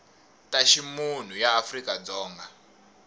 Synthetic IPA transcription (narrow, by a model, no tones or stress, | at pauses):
taʃimun̤ujaːfrikad͡zɔːŋɡa